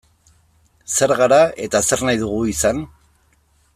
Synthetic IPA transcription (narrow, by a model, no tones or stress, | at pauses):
se̞ɾɣaɾae̞t̪ase̞ɾnajðuɣ̞uisan